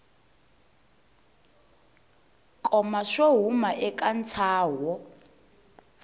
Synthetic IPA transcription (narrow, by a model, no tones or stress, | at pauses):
kʼɔmaʂoɦumaʔɛkʼant͡sʰaːwɔ